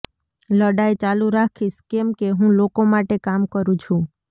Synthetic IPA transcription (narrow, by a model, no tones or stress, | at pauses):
ləɽaet͡ʃaluɾakʰiʃkemkeɦũlokomaʈekamkəɾũt͡ʃʰũ